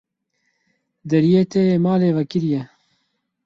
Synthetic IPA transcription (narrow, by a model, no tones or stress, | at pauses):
d̪ɐɾijeːt̪ʰejeːmaːleːvɐkɪɾijɛ